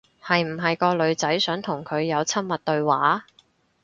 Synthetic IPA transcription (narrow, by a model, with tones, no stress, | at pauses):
hɐ˨jm̩˨˩ɦɐ˨jkɔː˧lɵ˨˧ɥt͡sɐ˨˥jsœː˨˥ŋt̪ʰʊ˨˩ŋkʰɵ˨˧ɥjɐ˨˧wt͡sʰɐ˥m̚mɐ˨t̚t̪ɵ˧ɥwaː˨˥